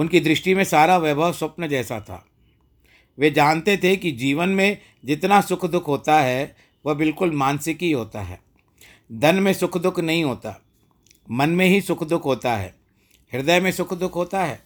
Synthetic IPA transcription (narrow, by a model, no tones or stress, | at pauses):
ʊnkid̪ɾɪʃʈimẽsaːɾaʋɛbʱəʋsʊpnəd͡ʒɛːsa̰t̪ʰa̰ː | ʋed͡ʒaːnt̪et̪ʰekid͡ʒiːʋənmẽ | d͡ʒɪt̪nasʊkʰd̪ʊkʰɦoːt̪aɦɛ | ʋobɪlkʊlmãːnsɪkɦiɦoːt̪a̰ɦɛ̰ː | d̪ʱɐnmẽsʊkʰd̪ʊkʰnɐɦĩɦoːt̪a̰ː | mɐnmẽɦisʊkʰd̪ʊkʰɦoːt̪aɦɛ̰ː | ɦɪɾd̪əjmẽsʊkʰd̪ʊkʰɦoːt̪aɦɛ̰ː